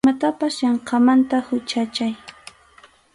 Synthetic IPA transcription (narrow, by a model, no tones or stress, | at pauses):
mat̪apasjɑɴqɑmant̪ahʊt͡ʃat͡ʃaj